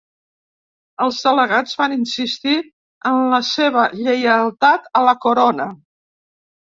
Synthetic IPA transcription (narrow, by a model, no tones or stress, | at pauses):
əlˠzðələɣad͡zβaninsist̪i | ənləseβ̞əʎəjəlˠt̪at̪ələkuɾonə